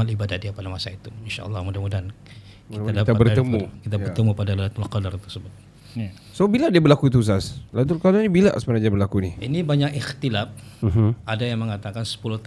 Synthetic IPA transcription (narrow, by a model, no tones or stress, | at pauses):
alibadadiapadamasait̪uinʃa̰ʔə̰lˠːɑhmudamudan | kiadat̪abərt̪əmukit̪abərt̪əmupadalalat̪alqɔdart̪ərsəbʊt̪̚ | sobiladiabərlakut̪̬us̬aslat̪̬ulkalanibilaʔsə̥mənadiabərlakuniinibaɲakixt̪ilaf̚ɦʔadajaŋməŋat̪akansə̥puluht̪